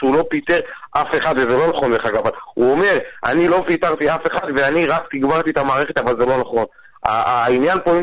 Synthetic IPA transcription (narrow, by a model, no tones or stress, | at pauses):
ulo̞pit̪eʁʔafe̞χad̪vezelo̞naχonbeχaɡavaluome̞ʁʔa̰nilo̞pit̪aʁt̪iafe̞χad̪ve̞aniʁakt̪iɡbaʁt̪iet̪amaːʁeχe̞t̪avalzelo̞naχo̞n | a̰injanpoi